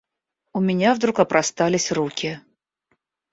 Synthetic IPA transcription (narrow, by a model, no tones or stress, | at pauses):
ʊmʲɪnʲavd̪ɾukɐpɾʔɐst̪alʲɪsʲrukʲɪ